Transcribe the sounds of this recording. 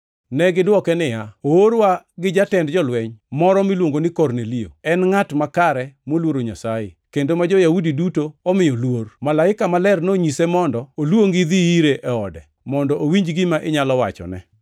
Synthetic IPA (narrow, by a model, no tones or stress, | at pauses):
nɛɡɪdwɔkɛnɪjaooɾwaɡɪd͡ʒatɛndd͡ʒɔlwɛɲmɔɾɔmilwoŋɡonɪkɔrnelio̰ɛnŋatmakaɾɛmolwoɾoɲasajɪ̰kendomad͡ʒɔjaudidutoɔmɪjɔlwormalaɪkamalɛrnoɲisɛmɔndɔolwoŋɡiðiiɾeʔɛɔdɛ | mɔndɔʔowiɲd͡ʒɡɪmaʔɪɲalɔwa̰t͡ʃɔ̰nɛ̰